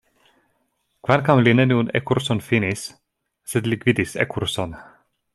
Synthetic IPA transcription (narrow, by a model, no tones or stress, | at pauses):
kvalkamlinenunḛkuɾsonfinisː | ed̪likvid̪isḛkuɾson